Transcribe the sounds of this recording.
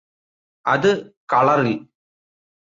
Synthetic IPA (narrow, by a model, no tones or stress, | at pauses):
ʔɐðɯkɐɭɐɾɪl